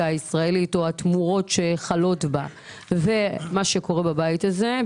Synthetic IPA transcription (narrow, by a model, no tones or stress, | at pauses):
aaisʁae̞lito̞atmuʁo̞tʃe̞χalo̞tba | ve̞maʃe̞ko̞ʁe̞babajitaze̞